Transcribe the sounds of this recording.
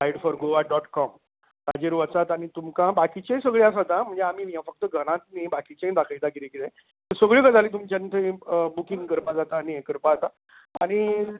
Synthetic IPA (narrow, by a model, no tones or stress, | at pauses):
aiɽfɔɾɡoʋaɖɔʈkɔm | t̪ad͡ʑeɾuʋət͡sat̪añit̪umkãbakit͡ɕẽsəɡɭjas̬at̪ãm̤əɳd͡zeam̤iːʋãfək̚t̪əɡʱəɽ̃ãt̪̚nebakit͡ɕẽd̪akʰait̪akilẽkilẽ | t̪əsəɡɭikad͡zʱalet̪̬umt͡ɕant̪ʰebukiŋɡkəɾpad͡zat̪aːniẽkəɾpaat̪a | a̰ɽ̃i